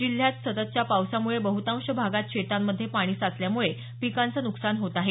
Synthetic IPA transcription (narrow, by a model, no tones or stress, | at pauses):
d͡ʑil̤jat̪sət̪ət̪t͡ɕjapawsamuɭebəɦut̪ãw̃ɕəbʱaɡat̪̚ɕet̪amːəd̪ʱːjepaɽ̃iːsat͡sljamuɭe | pikant͡sənuksanɦot̪aɦe